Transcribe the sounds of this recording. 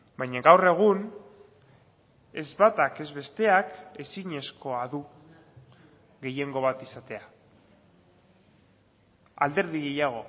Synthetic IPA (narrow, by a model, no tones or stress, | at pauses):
bajɲaɣawre̞ɣ̞un | e̞zβat̪ake̞zβe̞st̪e̞ake̞siɲe̞sko̞aðu | ɣe̞je̞ŋɡo̞β̞at̪isat̪e̞a | ald̪e̞ɾðiɣe̞jaɣ̞o̞